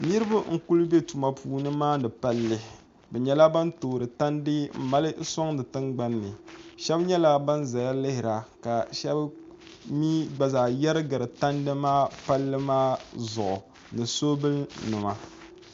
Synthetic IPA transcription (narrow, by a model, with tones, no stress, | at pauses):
nɨ˦ɾɨ˦ba˦ŋ̩˦ku˦lbe˦tu˨ma˨pʰuː˨nɨ˦maː˦nɨ˨pa˦lːɨ˨ | bɛ˨ɲɛ˨˦la˦ba˦ntoː˨ɾɨ˨ta˦ndɨ˦m̩˨ma˦lɨ˦so˦ŋnɨ˨tɨ˦ŋɡ͡ba˦nːɨ˨ʃɛ˦bɲɛ˦la˦ba˦nza˨ja˦lɪ˦hɪ˨ɾa˨ka˨ʃɛ˦b | miː˦ɡ͡ba˨zaː˨ja˦ɾɨ˦ɡɨ˨ɾɨ˨ta˦ndɨ˦maː˦pa˦lːɨ˦maː˦zʊ˨ʔʊ˨ | nɨ˨soː˦bɨ˦lnɨ˨ma˨